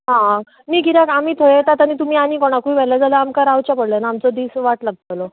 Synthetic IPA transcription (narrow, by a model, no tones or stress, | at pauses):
ɦã | miːɡiɾakamiːt̪ʰojt̪at̪aɽ̃it̪̬um̤iːanikoɽ̃akuiʋɛlad͡zaləamkaɾawt͡ɕjapəɽlanaːmt͡sɔd̪iːsʋaʈlaɡ̚talɔ